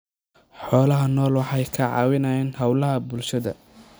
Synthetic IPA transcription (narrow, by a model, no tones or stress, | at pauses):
ħɔːlɐɦɐnɔːlwɑħɑjkʰɐʕɑ̰ːwɪnɐjɛːnhɐwlɐɦɐbʊlʃɐðɐ̰